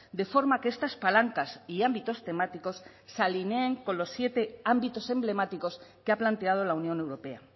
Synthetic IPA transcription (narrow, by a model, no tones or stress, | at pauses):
d̪e̞fo̞ɾmakeest̪aspalaŋkasiambit̪o̞st̪e̞mat̪iko̞sː | alineːŋko̞nlo̞sːje̞t̪e̞ambit̪o̞se̞mble̞mat̪iko̞skeaplant̪e̞að̞o̞launjõ̞ne̞wɾo̞pe̞a